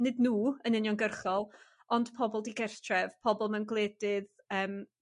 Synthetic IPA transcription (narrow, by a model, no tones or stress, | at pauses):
nɨdnuːənɪnjɔnɡərχɔlˠ | ɔnd̥pʰɔbɔlˠdiɡɛrtʰrɛvpʰɔbɔlˠmanɡlˠɛːdɪð | əːm